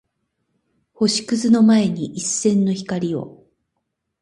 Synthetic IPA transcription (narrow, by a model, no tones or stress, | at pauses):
ho̞ɕi̥kɯ̟zɨno̞mae̞ɲ̟iʔisːẽ̞nːo̞çi̥kaɾʲio̞̰